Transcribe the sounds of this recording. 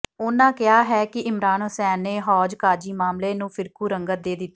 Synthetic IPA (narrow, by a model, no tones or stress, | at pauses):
ʊnãːkɪaːɦɛːkɪɪmɾaːnɦʊsɛːnːeːɦɔːd͡ʒkaːd͡ʒiːmaːmleːnũːpʰɪɾkuːɾəŋɡət̪̚d̪eːd̪ɪt̪ː